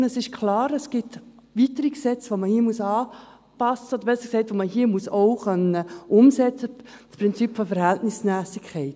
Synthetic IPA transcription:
əsɪʃkʰlɑːɾəsɡ̥ɪt | vitəɾiksɛt͡sʋoməhiːmusɑː | pɑsəɔd̪əɾbɛsə̥ksɛɪtʋoməɦiːəmuəsoʊχœnəʊmsɛt͡səspɾɪnt͡sipfɔfɛɾhæltnɪsmæːsɪkʰχɛɪt

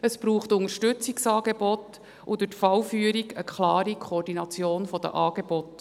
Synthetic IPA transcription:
əsb̥ɾuːχtʊŋəɾʃtɵt͡siksɑːɡebɔt | ʔʊd̪ʊtfɑwfyːəɾiɡəkʰχlɑːɾikʰoːrdinɑt͡sjoːnfɔd̥̪ə̰ʔɑːɡ̥ebɔt

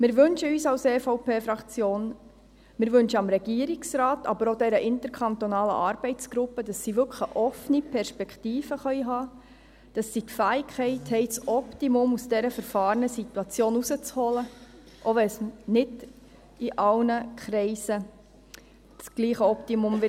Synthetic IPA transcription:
mɪɾʋɵnʃəyːsɑwseːfɔʊpeːfɾɑkt͡sjoːn | mɪɾʋɵnʃəɑmɾɛɡ̥iːəɾɪksɾɑːtɑ̰bəɾod̪ɛɾəʔɪnt̪əɾkʰɑnt̪onɑːlə̰ʔɑːɾb̥ɛɪt͡sɡ̥ɾʊpːəd̥ɑsːiʋʏkχəʔɔfənipʰɛɾʃpɛkχtiːfəχœjɦɑː | d̥ɑsːitfæːɪkχɛɪthɛɪt͡sɔptimʊmusd̥ɛɾəfəɾfɑːɾənəsituɑt͡sjoːnusət͡shɔlə | ʔoʋɛsnɪd | iʔɑwnəkʰɾɛɪsə | t͡sɡ̥liːχəɔptimʊmʋɪ

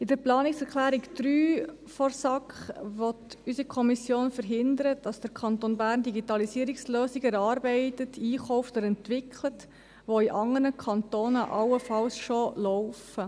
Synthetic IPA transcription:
ɪdəɾplɑːnɪksɛɾklæːɾikd̪̥ɾyː | fɔrsɑkχʋɔtysikʰɔmisjoːnfəɾɦɪndəɾəd̥ɑsd̥əɾkʰɑntonbæːɾndiɡitɑlisiːɾiksløːsiɡɛɾɑːɾbɛɪtətʰiːχɔʊftɔɾɛntʋɪkʰχlət | ʋoiʔɑŋənəkʰɑnt̪oːnəʔɑwəfɑlsʃolɔʊfə

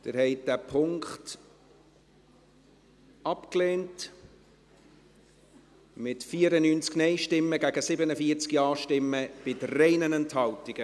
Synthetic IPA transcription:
d̥̪ɪɾhɛɪd̥æpʰʊŋkχt | ɑpkleːnt | mɪtfiːəɾənyːnt͡sknɛɪʃtɪmːəɡæɡəsɪbənəfiːəɾt͡skiɑːʃtɪmːəb̥ɪtɾɛɪnənɛnthɑltɪɡ̥ə

